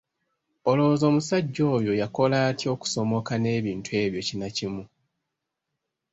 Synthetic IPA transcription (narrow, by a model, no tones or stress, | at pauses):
o̞lo̞zo̞ːmusaɟːo̞ːjo̞jako̞laːtjo̞ːku̥so̞mo̞kane̞ːβiːntue̞ːβjo̞cinacimu